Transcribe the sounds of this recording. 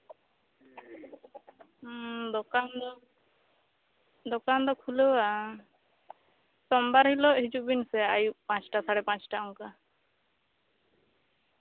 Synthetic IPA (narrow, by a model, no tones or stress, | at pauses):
d̪ɔkand̪ɔ | d̪ɔkand̪ɔkʰuləwa | sɔmbaɾhilɔʔɦid͡ʒuʔbinsɛajuʔpãt͡ʃʈasaɽɛpãt͡ʃʈaɔŋka